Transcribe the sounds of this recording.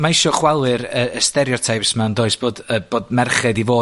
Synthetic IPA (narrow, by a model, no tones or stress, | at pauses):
maɪʃɔχwɛlˠɨɾəəstɛɾjɔtʰajpsmɛwndoːɨsb̥oːdəb̥oːdmɛrχɨdivoː